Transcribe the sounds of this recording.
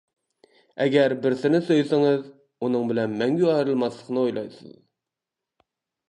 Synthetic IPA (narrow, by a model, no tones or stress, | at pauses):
ɛɡʲɛɾbɪɾsɪnɪsøjsɪŋɨz | unɨŋbɪlɛnmɛŋɡʲyɑhɪɾɨlˠmɑslˠəqnɨojlˠɑ̰jsɨ̰z